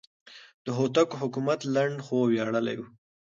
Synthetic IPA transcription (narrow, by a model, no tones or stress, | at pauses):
d̪̥əɦot̪akoɦʊkumat̪laɳɖxowjaɽəla̰jwu